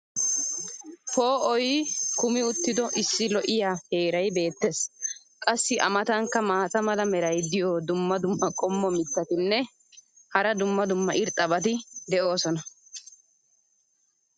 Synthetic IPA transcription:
poːʔɔjkʊmɪʊt̪ːɪd̪ɔʔɪsːɪlɔʔɪjaːhe̞ːɾɐjbe̞ːt̪ːe̞s | kʼɐsːɪʔɐ̰mɐt̪ɐŋkːɐmaːt͡sʼɐmɐlɐmɛɾɐjd̪ɪjɔd̪ʊmːɐd̪ʊmːɐkʼɔmːɔmɪt̪ːɐt̪ɪnːɛ | hɐɾɐd̪ʊmːɐd̪ʊmːɐʔɪɾt̪ʼːɐbɐt̪̬ɪd̪ɛʔo̞ːsɔnɐ

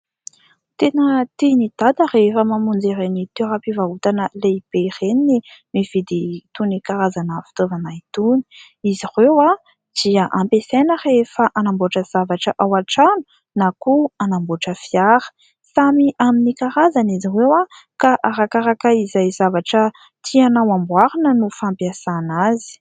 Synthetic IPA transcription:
t̪enət̪inid̪̥ad̪ərefəmamund͡zeɾenit̪eɾapivaut̪anəleib̥ereninimiv̥id̪it̪unikaɾazanəfi̥t̪ovanait̪uni̥ | izirewa | d̪̥iəʔampesenərefaʔanamboʈ͡ʂəz̥avaʈ͡ʂəʔawaʈ͡ʂanu̥ | nakuanamboʈ͡ʂəfiaɾə̥ | samiʔaminikaɾazanizirewakaʔaɾakaɾakəizajzavaʈ͡ʂə | t̪ʰianawambwaɾinənufampiasanazi̥

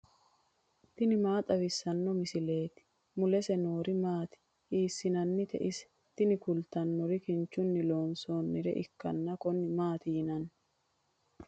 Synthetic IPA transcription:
t̪ɪnɪmaːt̪ʼɐβɪsːɐnːɔmɪsɪle̞ːt̪ɪ̥ | mʊlɛsɛno̞ːɾɪmaːt̪ɪ̥ | iːsːɪnɐnːɪt̪ɛ̰ʔɪsɛ̥ | t̪ɪnɪkʊlt̪ɐnːɔɾɪkɪnt͡ʃːʊnːɪlo̞ːnsoːnːɪɾɛ̰ʔɪkːɐ̰nːɐkɔnːɪmaːt̪ɪjɪnɐnː

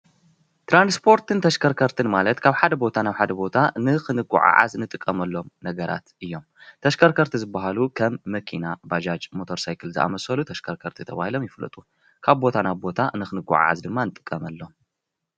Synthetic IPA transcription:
t̪ʰɾanspʰo̞ɾt̪ɨnt̪ʰɐʃkʰɐɾkʰɐɾt̪ʰɨnmalɐt̪kʰaβħad̪ɐbo̞t̪ʰanaβħad̪ɐbo̞t̪ʰanɨxɨnɨɡʼṵʕa̰ʕa̰znɨt̪ʼɨkʼːɐmɐlːo̞mnɐɡɐɾa̰t̪ʔɨjːo̞mt̪ʰɐʃkʰɐɾkʰɐɾt̪ʰizɨbːaɦalukʰɐmːɐkʰinabad͡ʒad͡ʒmo̞t̪ʰo̞ɾsajkʰɨlzɨʔa̰mɐsɐlut̪ʰɐʃkʰɐɾkʰɐɾt̪ʰit̪ʰɐβa̰hilo̞mjɪflɐ̰t̪ʼu | kʰaβbo̞t̪ʰanaβbo̞t̪ʰanɨxɨnɨɡṵʕa̰ʕa̰zd̪ɨmːanɨt̪ʼɨ̥kʼːɐmɐlːom

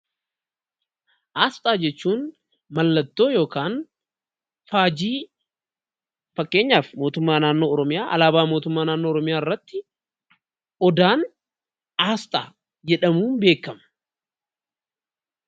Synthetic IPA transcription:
ʔaːst̪ʼaːd͡ʒɛt͡ʃːuːn | mɐlːɐt̪ːo̞ːjo̞ːkaːn | faːd͡ʒiː | fɐkːe̞ːɲːaːfmo̞ːt̪ʊmːaːnaːnːo̞ːɔɾɔmɪjaːʔɐ̰laːbaːmo̞ːt̪ʊmːaːnaːnːo̞ːɔɾɔmɪjaːɪrːɐt̪ːɪ | ʔɔd̪aːn | aːst̪ʼaː | d͡ʒɛᶑɐmuːnbe̞ːkːɐmɐ̥

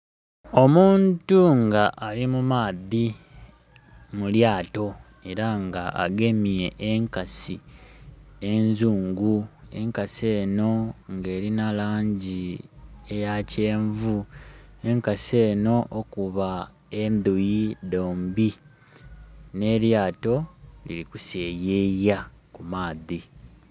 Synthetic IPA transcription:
o̞muːntuŋɡaʔalimumaːði | muljaːto̞ | e̞ɾaŋɡaʔa̰ɡe̞mje̞ʔeŋkasi | enzuːŋɡue̞̰ŋkase̞ːno̞ŋɡe̞ːɾinalaːɲɟiejace̞ːɱvue̞ŋkase̞ːno̞ʔokuβa | endujido̞ːmbi | ne̞ljaːto̞lḭlikuseːjejakumaːði

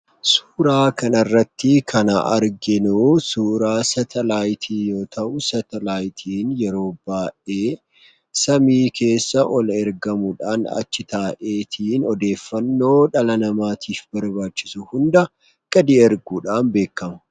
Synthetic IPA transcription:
suːɾaːkɐnɐrːɐt̪ːɪkʰɐnɐʔɐ̰ɾɡɛnusuːɾaːsɐt̪ʰɛlaːjt̪ʰiːjo̞ːt̪ʰɐʔʊsɐt̪ɛlaːjt̪ʰiːnjɛɾo̞ːbaːʔe̞ː | sɐmiːke̞ːsːɐʔɔlɛɾɡɐmʊᶑa̰ːnɐ̰t͡ʃːɪt̪aːʔe̞ːt̪ʰiːnɔd̪e̞ːfːɐnːo̞ːᶑɐlɐnɐmaːt̪ʰiːfbɐɾbaːt͡ʃːɪsʊhʊnd̪ɐ | ɡ̥ʼɐd̪iɛɾɡuːᶑaːnbe̞ːkːɐmɐ̥

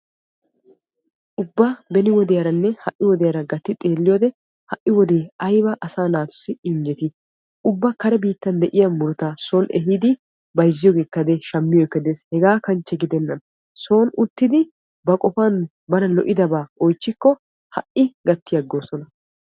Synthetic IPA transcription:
ʔʊbːabɛnɪwɔd̪ɛjɐɾɐnːɛhɐʔːɪwɔd̪ɛjɐɾɐɡɐt̪ːɪt̪ʼeːlːɪjoːd̪ɛ | hɐʔːɪwɔd̪e̞ːɐjbɐʔɐsaːnaːt̪ʊ̥sːɪɪɲd͡ʒɛt̪ɪ | ʊbːɐkɐɾɛbiːt̪ːɐnd̪ɛʔɪjɐmʊɾʊt̪aːso̞ːnɛ̰ɦiːd̪ɪ | bɐjzːɪjoɡe̞ːkːɐd̪eʃɐmːɪjɔkːɐd̪eːshɛɡaːkɐnt͡ʃːɛɡɪd̪ɛnːɐn | so̞ːnʊt̪ːɪd̪ɪ | bɐkʼɔfan | bɐnɐlɔʔɪd̪ɐbaːɔjt͡ʃːɪkːɔ | hɐʔɪɡɐt̪ːɪjɐɡːo̞ːsɔnɐ

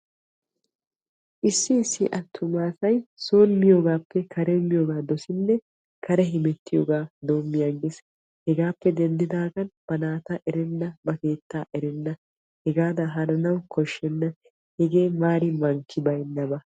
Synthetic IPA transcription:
ʔɪsːɪːsːɪʔɐt̪ʰːʊmaːsɐjso̞ːnmɪjoːɡaːpːɛkʰɐɾɛmːɪjoːɡaːd̪ɔsɪnːɛ | kɐɾɛɦɪmɛt̪ːɪjoːɡaːd̪o̞ːmːɪjaɡes | hɛɡaːpːɛd̪ɛnd̪ɪd̪aːɡɐnb̥ɐnaːt̪ɐʔɛɾɛnːɐbɐke̞ːt̪ːaːʔɛɾɛnːɐ | hɛɡaːd̪ɐɦɐnɐnɐwkʰɔʃːɛnːɐ | hɛɡeːmaːɾɪmɐŋkʰːɪbɐjnːɐbɐ

